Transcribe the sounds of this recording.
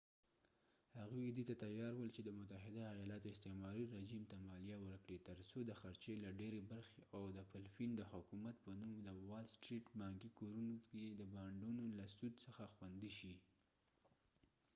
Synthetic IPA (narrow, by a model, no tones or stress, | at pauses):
haɣuid̪it̪at̪ajɑɾwəlt͡ʃed̪əmʊt̪aɦɪd̪aːjɑlɑt̪oɪst̪emɑɾiɾeʒimt̪amɑlijawəɾkɽet̪əɾsod̪əxaɾt͡ʃelaɖeɾebaɾxeawd̪əpɪlfind̪əhʊkumat̪̚pənumd̪əwalsʈɾiʈbɑŋkikoɾunokeed̪əbɑɳɖunolasud̪səxaxwand̪iʃi